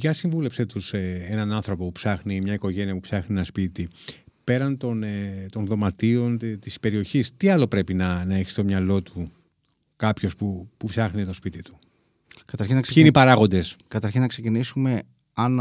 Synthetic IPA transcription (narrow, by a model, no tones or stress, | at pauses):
ʝɐsiɱvule̞pset̪useenɐnɐnθɾo̞po̞pupsɐxnimɲɐiko̞ʝe̞niɐpupsɐxnienɐspit̪i | pe̞ɾɐnt̪o̞net̪o̞nðo̞mɐt̪io̞nt̪ispe̞ɾio̞çist̪iɐlo̞pɾe̞pinɐnɐe̞çist̪o̞mɲɐlo̞t̪u | kɐpço̞spupupsɐxnit̪o̞spit̪it̪u̥ | kɐt̪ɐɾçinɐsinipɐɾɐɣo̞nd̪e̞skɐt̪ɐɾçinɐksecinisume̞ | ɐn